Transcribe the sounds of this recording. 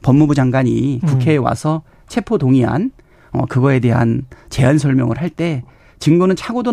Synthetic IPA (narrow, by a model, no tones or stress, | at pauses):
pʌmːubud͡ʑaŋɡwaɲikukʰe̞ːwa̰sʰʌ | t͡ɕʰe̞pʰotoŋiɦa̰n | ʌ̰kɯɡʌe̞de̞ɦa̰nt͡ɕe̞ansʰʌɭmjʌ̰ŋɯ̰ɭɦaɭt͈e̞ | t͡ɕɯŋɡonɯnt͡ɕʰaɡodo